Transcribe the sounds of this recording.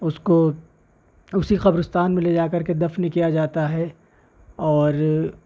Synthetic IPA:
ʊsko | ʊsixɐbɾʊst̪aːnmẽled͡ʒaːkɐɾked̪ɐfnkijad͡ʒaːt̪aɦɛ | ɔːɾ

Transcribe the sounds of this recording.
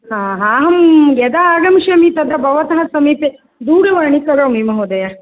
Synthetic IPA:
hãːɦaːɦɐmɡɛd̪aaːɡɐmʃɐmit̪ɐd̪ɾɐbɐʋɐt̪ɐɦɐsɐmiːpe | d̪uːɽɐʋɐːɳikɐɾoːmimɐɦod̪ɐjɐ

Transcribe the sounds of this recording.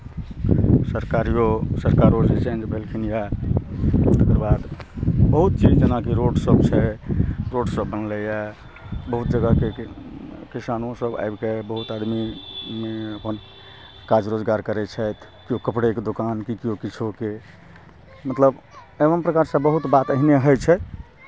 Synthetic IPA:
səɾkaɾijosəɾkaɾod͡ʒet͡ʃẽnd͡ʒbʱelkʰinjɛ | t̪əkəɾbad̪bəɦut̪̚t͡ʃid͡ʒd͡ʒenakiɾoɖsəbt͡ʃʰɛɾoɖsəbːənlɛjɛ | bəɦut̪̚d͡ʒəɡake | kisanõsəba̰jbkebəɦut̪ad̪mimeəpən | kad͡ʒɾod͡ʒɡaɾkəɾɛt͡ʃʰɛt̪ʰ | kiokəpɽeked̪okankikiokit͡ʃʰoke | mət̪ləb | ebənpɾəkaɾsə̃bəɦut̪bat̪əɦineɦəjt͡ʃʰɛ

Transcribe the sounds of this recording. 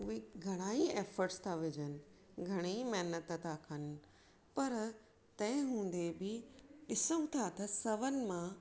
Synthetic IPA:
ʊɦeɡʱɐɽ̃aːieːfəɾʈst̪ʰaʋɪd͡ʑənɪ̆ | ɡʱɐɽ̃imɛɦnət̪ət̪ʰakʰɐn̆ | pɐɾ | t̪ɐ̃ɦɪ̃ɦũːn̆d̪ebɪɗɪsəũt̪ʰat̪ɐsɐʋənɪ̆mã

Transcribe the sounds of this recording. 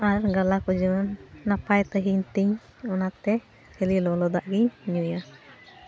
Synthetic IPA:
aɾɡalakud͡ʒunːapajt̪əɦiɲt̪iɲ | ɔnat̪ɛ | helilɔlɔd̪aʔɡiɲniuja

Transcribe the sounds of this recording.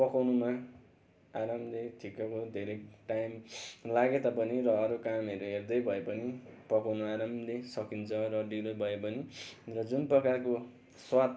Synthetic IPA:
pʌkawnuma | aɾamleʈʰikʌkod̪ʱeɾʌjʈajmlaɡet̪apʌniɾʌːɾukamɦʌɾuɦerd̪ʌjbʱʌepʌnipʌkawnuaɾamlesʌkint͡sʰʌɾʌɖilobʱʌepʌnirʌd͡zunprʌkako | swat̪

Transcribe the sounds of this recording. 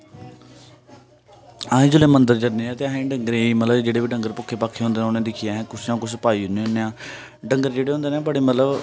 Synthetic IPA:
aːẽːd͡ʒʊlẽːmənd̪əɾd͡ʒəɾnẽːɛ̃ːt̪eːaɦẽːɖəŋɡəɾeiːmət̪ləbd͡ʒeːɽeːbiːɖəŋɡəɾpʊkʰːeːpaːkʰːeːɦõnd̪eːnːoːnẽːd̪ɪkʰijaːɦɛ̃ːkʊsnãːkʊspaːiːʊnẽːɦonːeːãː | ɖəŋɡəɾd͡ʒeːɽeːɦõnd̪eːnẽːbəɽeːmət̪ləb

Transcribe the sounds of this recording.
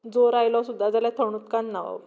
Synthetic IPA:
d͡zoɾajlɔsud̪ʱːad͡zaljat̪ʰəɳ̃ut̪kanːaʋa̰

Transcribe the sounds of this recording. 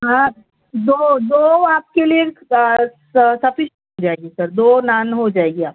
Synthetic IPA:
ɦã | d̪oːd̪oːaːp̚kelie | sɐpʰɪʃɦod͡ʒaːeɡesɐɾd̪oːnaːnɦod͡ʒaːeɡeaːp̚

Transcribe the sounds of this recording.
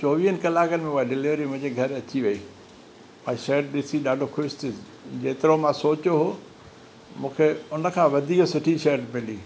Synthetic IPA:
t͡ɕoːʋiːɦənɪ̆kɐlaːkənɪ̆mẽuaɖɪlɪʋəɾimʊ̃ɦɪ̃ɲd͡ʑeɡʱɐɾɐt͡ɕiʋɐiː | ɛ̃ːʃɐɦəɖɗɪsiɗaːɖʱoxʰʊʃt̪ | d͡ʑeːt̪ɪɾomãsoːt͡ɕoɦoː | mũːkʰeʊnə̆kʰãːʋɐd̪ʱiːksʊʈʰiʃɐəɾɖmɪliː

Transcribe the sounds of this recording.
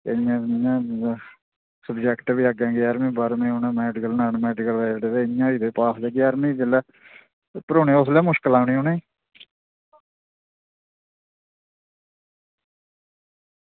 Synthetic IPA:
jãːjãː | səbd͡ʒɛːkʈbiːaɡãːɡeaːɾmĩːbaɾmẽːonãːmɛːɖɪkəlnaːnmɛːɖɪkəlʋɛːɖed̪eːɪjãːiːd̪eːpaːsleːɡeaɾmĩːd͡ʒəlɛː | pəɾoːnẽːʊslɛːmʊʃkəlaːʊnɳiːɦonẽː

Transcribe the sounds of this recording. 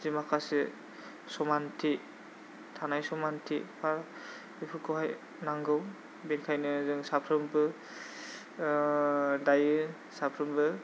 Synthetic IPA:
zimakasi | sɔmantʰi | tʰanajsɔmantʰipʰaɾ | bipʰɯkɔɦaj | naŋɡɯw | binkʰajnɯzɯŋsapʰɾɯmbɯ | dajɯ | sapʰɾɯmbɯ

